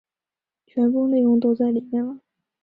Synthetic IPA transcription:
t͡ɕʰɥɛ˧˥npu˥˧ne˥˧ɪjʊ˥˩ŋt̪o˥ʊt͡sa˥˩ɪli˨˩mjɛ˥˩nlə˨˩˦

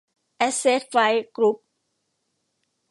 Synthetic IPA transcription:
ʔɛ˦˥se˦˥t̪̚fa˧˥jkɾu˦˥p̚

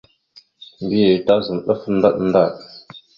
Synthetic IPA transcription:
mbi˦je˨ta˦zə˨ɗə˦fn˦da˦ɗnda˦˨ɗ

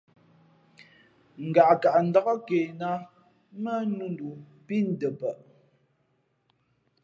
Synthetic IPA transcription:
ŋ̩˨ɡa˨ʔka˨ʔn̩˨da˦ɣə˦ke˨na˦ | mə˦nu˦ndu˨ | pi˦n̩˦də˨pə˨ʔ

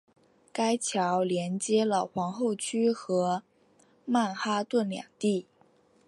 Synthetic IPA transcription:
ka˥ɪt͡ɕʰjɑ˧˥ʊljɛ˧˥nt͡ɕjɛ˥lə˨xwɑ˧˥ŋxo˥˩ʊt͡ɕʰy˥xɤ˧˥ | ma˥˩nxa˥t̪wə˥˩nljɑ̰˨˩ŋt̪i˥˩

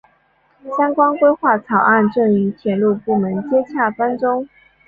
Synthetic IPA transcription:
ɕjɑ˥ŋkwɑ˥nkwe˥ɪxwa˥˩t͡sʰɑ˨˩ʊʔa˥˧nʈ͡ʂɤ˥˩ŋy˧˥t̪ʰjɛ˨˧˥nlu˥˧pu˥˩mə˧˥nt͡ɕjɛ˥t͡ɕʰja˥˩fa˥nʈ͡ʂʊ˥ŋ

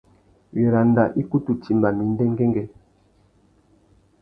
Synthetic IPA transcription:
ɥe˨ɾa˨n˦da˨ʔi˦ku˦tu˨ti˨mba˨mi˨˦n̩˦dɛ˦ŋ˦ɡɛ˦ŋɡɛ˦

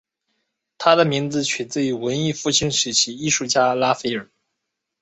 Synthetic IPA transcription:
t̪ʰa˥d̪ə˨mi˧˥ŋd͡zɹ̩˧t͡ɕʰy˨˩t͡sɹ̩˥˩y˧˥wə˧˥ni˥˧fu˥˩t͡ɕʰi˥ŋʂɻ̩˧˩t͡ɕʰi˧˥i˥˧ʂu˥˩t͡ɕja˥la˥fe˥ɪə˞˨˩˦

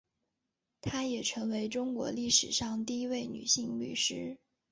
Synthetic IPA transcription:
t̪ʰa˥jɛ˨˩ʈ͡ʂʰɤ˧˥ŋwe˧˥ɪʈ͡ʂʊ˥ŋkwɔ̰˧˥li˥˩ʂɻ̩˨˩ʂɑ˥˧ŋt̪i˥˩˧i˥we˥˩ɪny̰˨˩ɕi˥˧ŋly̰˨˩ʂɻ̩˥

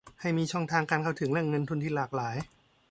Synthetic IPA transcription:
ha˥˩jmiː˧t͡ɕʰɔ˥˩ŋt̪ʰaː˧ŋkaː˧nkʰa˥˩wt̪ʰɯ˩˦ŋna˥˩ŋɤ˧nt̪ʰu˧nt̪ʰiː˥˩laː˨˩k̚laː˩˦j

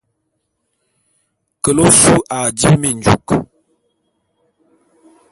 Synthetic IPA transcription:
kə˨lo˦su˦ʔa˨di˦mi˨n˨d͡ʒu˨k

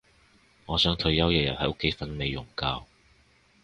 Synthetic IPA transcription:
ŋɔː˨˧sœː˨˥ŋt̪ʰɵ˧ɥjɐ˥wjɛː˨˩jɐ˨t̚hɐ˨jʊ˥kʰːe˨˥jfɐ˨˧nme˨jːʊ˨˩ŋkaː˧w

